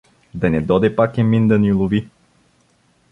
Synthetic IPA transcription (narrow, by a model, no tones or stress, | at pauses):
d̪ɐnɛd̪ɔd̪ɛpakɛmind̪ɐnilˠʊvi